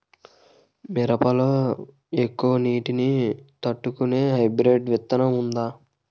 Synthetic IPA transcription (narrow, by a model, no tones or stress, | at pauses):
mɛɾɐpɐloː | ekːuʋɐniːʈinit̪ɐʈːukune̞ːɦɐjbɾeʈʋɛt̪ːɐnɐmund̪aː